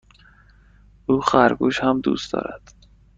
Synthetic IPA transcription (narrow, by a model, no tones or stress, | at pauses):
uːxæɾɡuːʃhæmd̪ṵːst̪d̪ɒ̰ːɾæ̰d̪̥